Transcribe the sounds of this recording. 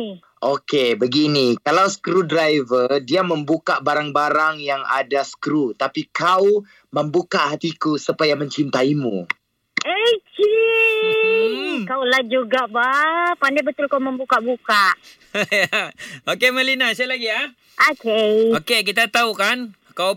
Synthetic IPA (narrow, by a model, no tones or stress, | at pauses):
ʔokebəɡinikalawsə̥kɾudɾajvədiaməmbukaʔbaɾaŋbaɾaŋjaŋa̰dasə̥kɾut̪apikaw | məmbukaʔɦat̪ikusəpajamə̃ɲt͡ʃint̪aimṵ̃ | et͡ʃi | kawlad͡ʒuɡaʔbapandabət̪ʊlkawməmbukaʔbukaʔ | aokeməlinasaalaɡia | ʔokeokekit̪at̪aukan | kaw